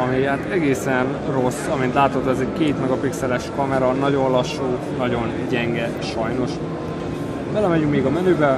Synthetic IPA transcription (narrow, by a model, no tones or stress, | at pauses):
ɒmihaːt̪ɛɡeːsɛn | ro̞sːɒmint̪laːt̪ot̪ːoːɛzɛɟkeːt̪mɒɡɒpiksɛlɛʃkɒmɛɾɒnɒɟo̞nlɒʃuː | nɒɟo̞nɟɛŋɡɛ | ʃɒjno̞ʃ | b̥ɛlɛmɛɟykmeːɡɒmɛnøːbɛ